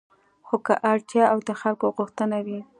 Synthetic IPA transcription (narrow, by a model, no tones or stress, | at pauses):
xokaʔaɽt̪jɑawd̪əxalkoɣʊxt̪ənawi